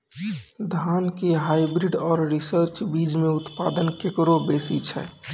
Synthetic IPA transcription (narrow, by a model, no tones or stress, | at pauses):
d̪ʱankeɦajbɾiɖɔːɾɾisəɾt͡ʃbid͡ʒmẽʊt̪pad̪ənkekɾobesit͡ʃʰɛ̰